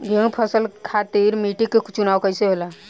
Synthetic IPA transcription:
ɡʱẽpʰəsəlkʰat̪iːɾmiːʈikːekt͡ʃunaːwkəiseɦoːla

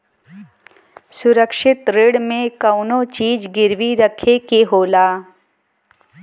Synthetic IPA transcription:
sʊɾəkʃɪt̪ɾeːɽmẽkəʊnõt͡ʃiːd͡ʒɡɪɾʋiɾəkʰekeɦoːlaː

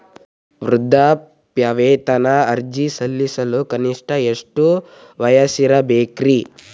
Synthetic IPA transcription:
ʋɾud̪ʱːa | pjɐʋeːt̪ɐnɐɐɾd͡ʒisɐlːisɐlukɐniʂʈʰɐeʂʈu | ʋɐjɐsiɾɐbeːkɾi

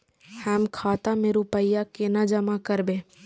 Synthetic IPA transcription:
həmkʰaːt̪amẽɾupəjakenad͡ʒəmakəɾbẽː

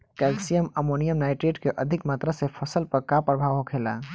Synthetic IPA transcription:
kɛksijəməmonijəmnajʈɾeɖkeʔəd̪ʱikmat̪ɾasepʰəsəlpəɾkapɾəbʱaʋɦokʰela̰

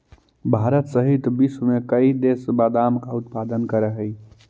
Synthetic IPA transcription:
bʱaɾət̪səɦit̪bismekəid̪esbad̪amkaut̪pad̪ənkəɾəɦəi

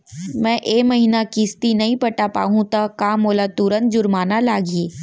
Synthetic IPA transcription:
mɛ̃ːʔeːmɐɦiːnakɪst̪inɐɦĩpɐʈapa̰ːɦũt̪akaːmoːlat̪ʊɾənt̪̚d͡ʒʊɾmaːnalaːɡieː

